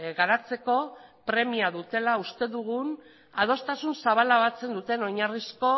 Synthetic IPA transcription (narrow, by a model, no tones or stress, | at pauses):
ɣaɾat͡se̞ko̞pɾe̞miaðut̪e̞laust̪e̞ðuɣun | að̞o̞st̪asunsaβ̞alaβat͡se̞nd̪ut̪e̞no̞ɲarisko̞